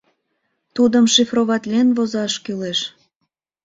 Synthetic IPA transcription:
t̪ud̪əmʃefroβɑt̪lʲenvozɑʃkyleʃ

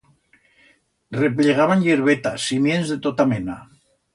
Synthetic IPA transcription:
repleɣ̞aβanʎeɾβet̪asːimjenzðet̪ot̪amena

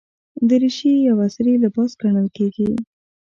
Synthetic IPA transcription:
d̪əɾiʃijawasɾilabɑsɡaɳəlkeɡi

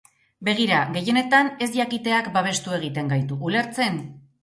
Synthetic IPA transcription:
be̞ɣ̞iɾaɣe̞je̞ne̞t̪ane̞zʎakit̪e̞akbaβ̞e̞st̪ue̞ɣ̞it̪e̞ŋɡajt̪uʔːle̞ɾt͡se̞n

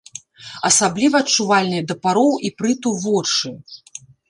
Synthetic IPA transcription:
ɐsablʲivɐːt͡ʂuvalʲnɐjd̪ɐpaɾɔwipɾɨt̪uvɔt͡ʂɨ

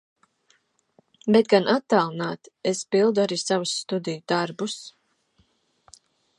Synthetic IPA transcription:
bet̪̚ɡanʔat̪ːalˠnaːt̪espilˠd̪uaɾiːsavusːt̪ud̪ijud̪̥aɾbus

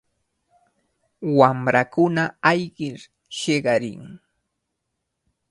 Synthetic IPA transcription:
wamɾakʊnaajɢɪɾ | ʃɪɢɑɾɪ̰ŋ

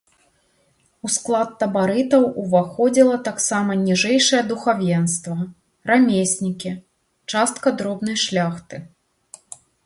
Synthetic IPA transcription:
usklˠat̪ːɐbaɾɨt̪ɐwuvaxɔd͡zʲilˠɐt̪aksamɐnʲiʐɛjʂɐjɐd̪uxavʲjɛnst̪vɐ | ramʲesʲnʲikʲi | t͡ʂast̪kɐd̪ɾɔbnɐjʂlʲaxt̪ɨ

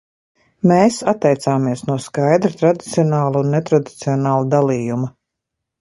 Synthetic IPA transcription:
meːsat̪ːɛjt̪saːmiɛsnuɔskajd̪ɾat̪ɾad̪it̪siɔnaːlˠunːet̪ɾad̪it̪siɔnaːlˠad̪alˠiːjumɐ

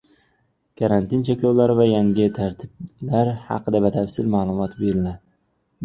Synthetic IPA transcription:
kʰaɾant̪ʰɪnt͡ʃʰekʲlawlaɾɪvajaŋʲɪt̪ʰaɾt̪ʰɪb̚laɾhɑ̰qʰɨd̪abat̪ʰafsɪlmaːlˠʊmɒt̪beɾɪna

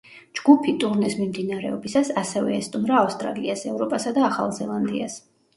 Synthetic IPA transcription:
d͡ʒɡupʰit̪ʼuɾnɛsmimd̪inaɾɛ̰ɔbisasasɛvɛ̰ːst̪ʼumɾaːfst̪ʼɾa̰liasɛvɾɔpʼasad̪aːχa̰lˠzɛlˠand̪ḭas

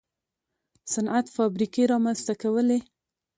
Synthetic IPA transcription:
sanʔat̪fɑbɾikeɾɑmanst̪akawəle

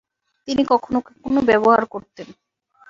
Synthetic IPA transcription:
t̪inikɔkʰonokekonobɛboɦa̰ɾkoɾt̪en

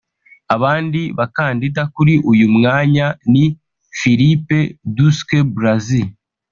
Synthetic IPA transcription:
aβaːndiβakaːndidakuɾiʔujumŋaːɲani | fiɾipe̞duskebɾazi

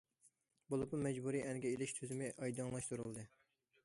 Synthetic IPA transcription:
bolˠɨpumɛd͡ʒbuɾiʔɛnɡʲɛelɪʃt̪ʰøzɪmɪʔɑjd̪ɨŋlˠɑʃt̪uɾulˠd̪ɨ

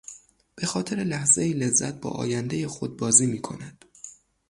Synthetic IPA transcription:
b̥e̞xɒːt̪ʰe̞ɾe̞læhzeiːle̞zːæ̰t̪̚bɒ̰ːʔɒ̰ːjænd̪e̞je̞xod̪̚bɒːziːmiːkʰo̞̰næd̪̥

